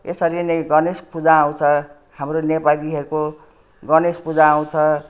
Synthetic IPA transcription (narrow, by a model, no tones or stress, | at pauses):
esʌɾinʌjɡʌnespud͡zaãw̃t͡sʰʌ | hamronepaliɦʌɾuko | ɡʌnespud͡zaaw̃t͡sʰʌ